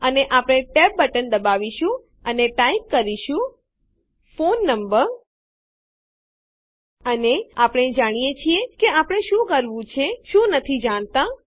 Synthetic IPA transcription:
əneʔapɽ̃eʈep̚bəʈənd̪əbaʋiʃũ | əneʈaikːəɾiʃũ | fonːəmbəɾ | əneapɽ̃ed͡ʒaɽ̃ijet͡ʃʰiekeapəɽ̃eʃũkəɾʋũt͡ʃʰeʃũnət̪ʰid͡ʒaɳ̃t̪ã

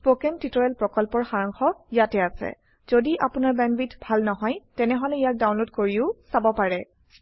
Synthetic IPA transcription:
pokɛntitɔɛlpɹɔkɔlpɔɹxaɹaŋxɔijatɛasɛ̰ | z̥odiʔa̰pʊnaɹbɛnbitbʱalnɔɦɔjtɛnɛɦɔlɛijak̚dawnlodkoɹiʊsabɔpaɹɛ

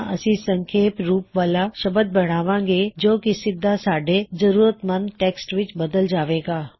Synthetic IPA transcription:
ʔɐ̰sĩsɐ̃ŋkʰeːpɾuːpʋaːlaʃɐbəd̪̚bɐɽ̤aːʋãːŋɡed͡ʒoːkisɪd̪ːasaːɖʱezɐɾuːɾət̪mɐnʈeːksʈʋɪt͡ʃbɐd̪əld͡ʒaːʋeːɡaː

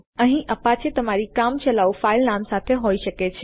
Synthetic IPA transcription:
əɦĩʔəpat͡ʃet̪əmaɾikamt͡ʃəlaufailnamsat̪ʰeɦoiʃəket͡ʃʰ

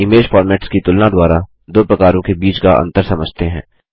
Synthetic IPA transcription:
ɪmeːd͡ʒfɔːɾmɛːʈskit̪ʊlnad̪waːɾa | d̪oːpɾɐkaːɾõkebiːt͡ʃkaɐ̰̃nt̪əɾsɐməd͡ʒʱt̪eɦɛ̰̃ː

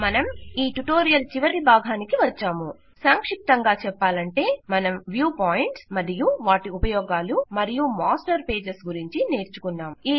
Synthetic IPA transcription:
mɐnɐmiːʈuʈo̞ːɾijɐlt͡ʃiʋɐɾibʱaːɡʱaːnikiʋɐt͡ʃːaːmu | saːŋkʂik̚t̪ɐŋɡaːt͡ʃɛpːaːlɐɳʈe̞ːmɐnɐmʋjuːpaːjiɳʈsmɐd̪ijuʋaːʈiupɐjɔːɡaːlumɐɾijumaːsʈɐɾpe̞ːd͡ʒesɡuɾiɲt͡ʃine̞ːɾt͡ʃu̥kunːaːmiː

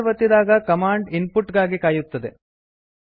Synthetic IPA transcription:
ʋɐt̪ːid̪aːɡɐkɐmaːɳɖinpuʈɡaːɡikaːjut̪ːɐd̪e

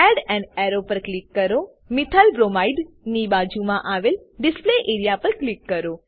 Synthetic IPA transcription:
ɛɖɛ̃ɳɖɛɾopəɾklikːəɾo | mɪt̪ʰalbɾomaiɖ | nibad͡ʒumãʔaʋelɖɪspleʔeɾijapəɾklikːəɾo

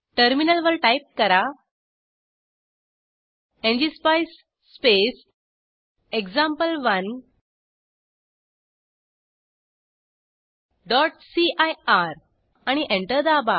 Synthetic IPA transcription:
ʈəɾminəlʋəɾʈajp̚kəɾa | ẽɲd͡ʑispajsː | pes | ekd͡zãmpəlʋən | ɖɔʈsiʔajaɾ | aɽ̃iʔẽɳʈəɾd̪aba

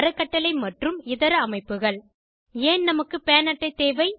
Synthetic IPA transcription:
ɾɐkːɐʈːɐlɐɪmɐʈrɯmɪðɐɾɐmɐɪpːɯɣɐɭ | eːnnɐmɐkːɯpeːnɐʈːɐɪt̪ːeːʋɐɪ

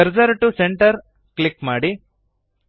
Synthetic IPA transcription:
ɐɾd͡ʒɐɾɐʈːuseɳʈɐɾ | klikmaːɽi

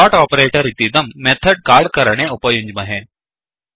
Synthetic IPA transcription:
ɔʈɔpəɾeʈəɾit̪id̪əmːet̪ʰəɖ̚kaɭkəɾɳ̃eupəjuɲd͡ʒməɦẽ

